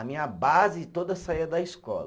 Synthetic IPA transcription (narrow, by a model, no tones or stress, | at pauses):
ɐmĩɲɐbazɪt̪od̪ɐsaiɐd̪ɐiskɔ̰l